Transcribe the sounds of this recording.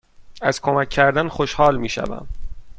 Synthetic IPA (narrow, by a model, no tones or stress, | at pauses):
æz̥kʰo̞mæcʰːæɾd̪ænxoʃhɒːlmiːʃæ̰væ̰m